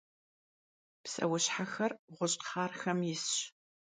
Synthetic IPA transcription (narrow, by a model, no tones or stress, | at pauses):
psɐ̰wʊɕħaxɐrʁʷʊɕʼχaːrxɐmjɪsɕ